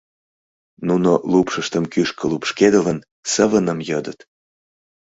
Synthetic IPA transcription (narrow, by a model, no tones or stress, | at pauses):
nunolupʃəʃt̪əmkyʃkə̆lupʃked̪ələn | səβənəmjɤd̪ət̪